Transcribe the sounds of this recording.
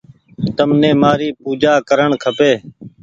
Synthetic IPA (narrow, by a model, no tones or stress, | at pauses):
t̪əmnẽːmaːɾiːpuːd͡ʒaːkəɾəɳkʰəpeː